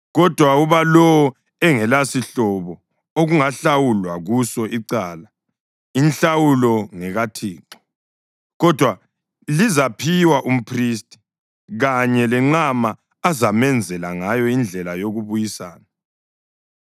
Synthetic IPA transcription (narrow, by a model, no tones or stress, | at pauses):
ɣɔd̥ʱwauβalɔɔ | ɛŋɛlasiɬɔβɔ | oɣuŋaɬawulwaɣusɔiǀaːla | inɬawulɔŋɛɣatʰiːǁɔ̥ | ɣɔd̥ʱwa | lizapʰiwaʔum̩pʰristʼi̥ | ɣaɲɛlɛŋ͡ǁamaː | zamɛnd͡zʱɛlaŋajɔind͡ɮʱɛlajoɣuβujisaːna